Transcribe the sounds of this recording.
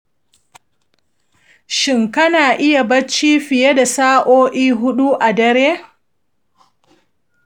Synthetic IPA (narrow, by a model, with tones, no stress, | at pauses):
ʃɪ˨ŋkɐ˦naː˨ʔɪ˦ja˨bɐ˦t͡ʃːiː˦ɸɪ˨je˦da˨saː˦ʔoː˦ʔiː˦ɦʊ˦ɗu˦ʔa˨dɐ˦ɾeː˦